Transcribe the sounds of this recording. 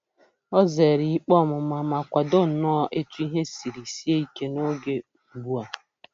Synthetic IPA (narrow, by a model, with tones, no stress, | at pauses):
ɔ˦ze˨ɾi˨˦k͡pɔ˦˨mʊ˨ma˨ma˨kʷa˨do˦˨nɔ˦ʔe˦tu˦i˦ɦe˦si˨ɾi˨si˦e˦i˦ke˦no˦ɡe˦m̩˨bu˦a˨